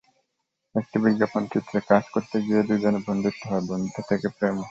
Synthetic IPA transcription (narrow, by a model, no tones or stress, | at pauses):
ek̚ʈibiɡapont͡ɕut̪ːɾekad͡ʑkoɾt̪eɡied̪ujd͡ʑonebʱond̪ʱut̪ːoɦɔebond̪ʱot̪ʰekepɾem